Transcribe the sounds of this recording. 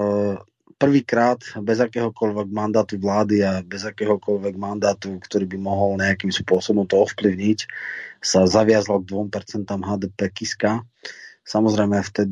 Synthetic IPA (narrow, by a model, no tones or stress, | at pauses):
pr̩ʋiːkɾaːt̪bɛzakɛːɦɔkɔʎʋɛɡmand̪aːt̪uʋlaːd̪iabɛzakɛːɦɔkɔʎʋɛɡmand̪aːt̪ukt̪ɔɾiːbimɔɦɔlɲɛakimspʊɔsɔbɔmt̪ɔɔfpliʊɲicsazaʋɪazalˠɡ̚d̪ʋɔmpɛɾt͡sɛnt̪aːmɦaːd̪ɛːpɛːkiska | samɔzɾɛɪmɛft̪ɛd̪i